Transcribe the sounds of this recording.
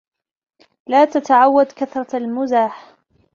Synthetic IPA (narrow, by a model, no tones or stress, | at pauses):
laːt̪at̪aʕawːad̪kaθɾˤɑalmʊzaːħ